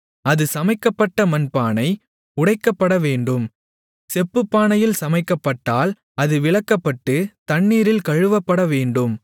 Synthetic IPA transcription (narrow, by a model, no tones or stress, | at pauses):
ɐðɯsɐmɐɪkːɐpːɐʈːɐmɐnpaːnɐɪ | ʊɽɐɪkːɐpːɐɽɐʋeːɳɖɯm | sɛpːɯpːaːnɐjɪlsɐmɐɪkːɐpːɐʈːaːl | ɐðɯʋɪɭɐkːɐpːɐʈːɯt̪ɐɳːiːɾɪlkɐɻɯʋɐpːɐɽɐʋeːɳɖɯm